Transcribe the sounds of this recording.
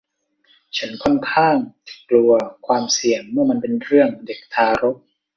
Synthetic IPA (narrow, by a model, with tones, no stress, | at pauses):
t͡ɕʰa˦˥nkʰɔ˥˩nkʰaː˥˩ŋklu˧ɐkʰwaː˧msi˨˩əŋmɯ˥˩ɐma˧npe˧nɾɯ˥˩əŋde˨˩k̚t̪ʰaː˧ɾo˦˥p̚